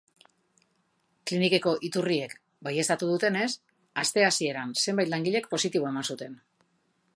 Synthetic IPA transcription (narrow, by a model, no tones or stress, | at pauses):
klinike̞ko̞ʔit̪urie̞k | baje̞st̪at̪uð̞ut̪e̞ne̞s | ast̪e̞asie̞ɾanse̞mbajt̪laŋɡiʎe̞k̚po̞sit̪iβo̞e̞mansut̪e̞n